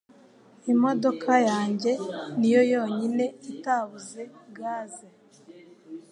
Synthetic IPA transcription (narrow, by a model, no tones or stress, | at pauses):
imo̞do̞kʰajaːɲɟe̞nijo̞jo̞ːɲine̞itaβuze̞ɡaːze